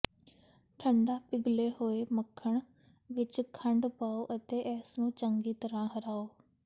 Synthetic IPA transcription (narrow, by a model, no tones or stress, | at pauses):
ʈʰəɳɖaːpɪɡleːhoːeːməkʰːəɳ | ʋɪt͡ʃkʰəɳɖpaːoːʔət̪eːʔɛːsnũːt͡ʃəŋɡiːt̪əɾãːɦəɾaːoː